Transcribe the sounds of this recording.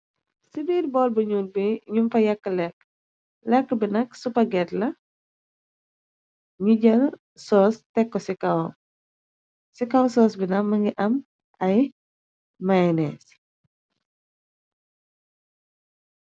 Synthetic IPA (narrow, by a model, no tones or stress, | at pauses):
sibiːɾ̚bɔːlbɐɲuːt̚biɲumfɐjɐkːəlɛk̚ː | lɛkːəbinɐksupɐɡɛtlɐ | ɲuɟɐl | sɔːstɛkːɔsikɐw | sikɐwsɔːsbinɐmːɐŋɡiʔɐm | ɐj | majnɛs